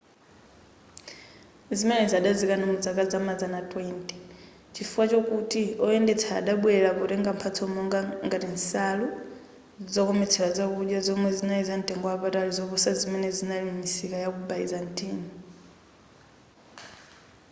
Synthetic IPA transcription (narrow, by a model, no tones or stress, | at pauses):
zimɛnɛzaɗazikanamud͡zakad͡zamad͡zanatʼwɛntʼi̥ | t͡ʃifuat͡ʃɔkutiɔɛndɛt͡sʰa̰ːɗaɓwɛɺapɔɾɛŋɡam̩pʰat͡sʰɔmɔŋɡaŋɡatinsalu | d͡zid͡zɔkɔmɛt͡sʰɛɺad͡zakuɗjazɔmwɛzinaizan̩tʼɛŋɡɔapatalizɔβusazimɛnɛzinalimisikajakubaizan̩tʼiːni